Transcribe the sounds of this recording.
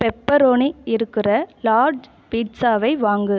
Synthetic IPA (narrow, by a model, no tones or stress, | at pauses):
pɛpːɐɾoːniɪɾɯkːɪrɐlaːɾɖ | piːʈsaːʋɐɪʋaːŋɡɯ